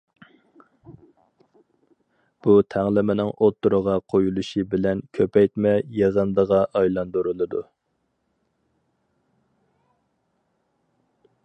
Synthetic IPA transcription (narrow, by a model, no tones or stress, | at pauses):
b̥ut̪ʰæŋlˠɪmɪnɪŋʔot̪ːuɾəʁɑqʰojulˠuʃibɪlɛnkʲʰøpɛjt̪mɛjezənd̪əʁɑʔɑjlˠɑnd̪uɾɨlˠɨd̪u